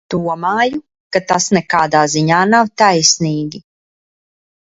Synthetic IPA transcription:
d̪̥uɔmaːju | kat̪asnɛkaːd̪aːziɲaːnawt̪ajsniːɡʲi

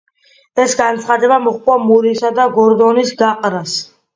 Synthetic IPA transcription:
ɛsɡant̪sʰχad̪ɛbamɔχkʼwamuɾisad̪aɡɔɾd̪ɔnisɡaqʼɾas

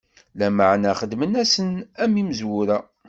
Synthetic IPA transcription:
læməʕnæχəd̪mənæsənæmiməzwʊɾæ

